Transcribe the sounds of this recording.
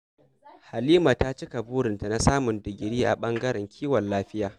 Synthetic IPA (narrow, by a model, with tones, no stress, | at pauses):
ha˨liː˦ma˨ta˦t͡ʃɪ˦ka˨buː˦ɽɪ˨nta˨na˦saː˦mʊ˨ndɪ˨ɡʲɪ˨ɽiː˦ʔa̰˨ɓɐ˦ŋɡɐ˦ɾɛ˨ŋkʲʰiː˦wɐ˨nlaː˦ɸɪ˦jaː˨